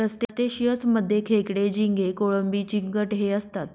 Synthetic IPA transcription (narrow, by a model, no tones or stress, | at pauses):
əsʈ̪esʈ̪eɕijəsməd̪ʱːjekʰekɽed͡ʑiŋɡekoɭombiːt͡ɕiŋkəʈɦeəst̪at̪̚